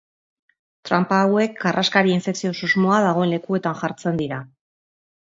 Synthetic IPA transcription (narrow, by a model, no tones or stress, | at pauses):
t̪ɾampawe̞kɡarʔaskaɾie̞nseksio̞suzmo̞aðaɣ̞o̞e̞nle̞kue̞t̪anʝaɾt͡se̞nd̪iɾa